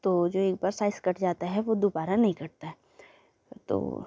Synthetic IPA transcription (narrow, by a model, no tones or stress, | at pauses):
t̪oːd͡ʒoːeːk̚baːɾsaːɪskɐʈʰd͡ʒaːt̪aɦɛʋod̪uːbaːɾanɐɦĩkɐɾt̪aɦɛ | t̪o̰ː